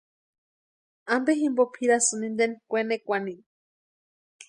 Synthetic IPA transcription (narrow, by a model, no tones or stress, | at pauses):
ambeɦimbopʰiɾasɨnind̪enkʷenekʷani